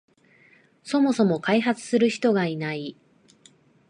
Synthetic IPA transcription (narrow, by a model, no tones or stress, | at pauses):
so̞mo̞so̞mo̞kaiɦat͡sɨ̥sɨɾɯ̟çi̥t̪o̞ɡainai